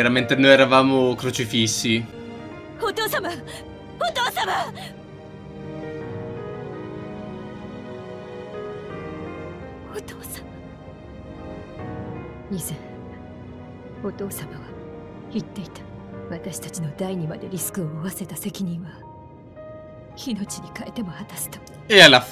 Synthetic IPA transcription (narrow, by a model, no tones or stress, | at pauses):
eɾament̪enoeɾavamokɯɾut͡ɕifʲiɕi | ot̪o̞ːsama | ot̪oːsama | ot̪oːsḁma | ɲ̟isẽ | o̞t̪o̞ːsamaɡa | çit̪ːe̞it̪ḁβat̪aɕi̥t̪at͡ɕino̞d̪aiɲ̟imad̪e̞ɾʲisɨ̥kɯo̞ːβase̞t̪ase̞kʲiɲ̟ĩɰ̃βa | çino̞t͡ɕiɲ̟ikaet̪e̞mo̞hat̪asɨ̥t̪o̥ | eala